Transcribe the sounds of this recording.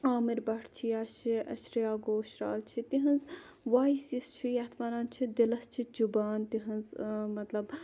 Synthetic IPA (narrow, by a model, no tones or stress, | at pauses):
aːmiɾbɐʈʰt͡ʃʰijaːʃiɐʃɾijaːɡoːʃɾa̰ːlt͡ʃʰit̪iɦɐnz | ʋaːisist͡ʃʰijɐt̪ʰmaːnaːnt͡ʃʰid̪ilɐst͡ʃʰit͡ʃubaːnt̪iɦɐnzmɐt̪lɐb